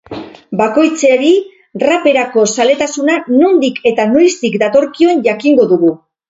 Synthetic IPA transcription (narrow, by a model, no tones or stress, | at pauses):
bako̞jt͡seɾi | rape̞ɾako̞sale̞t̪asunanond̪ikʰe̞t̪ano̞jst̪ikd̪at̪o̞ɾkio̞enʝakiŋɡo̞ðuɣu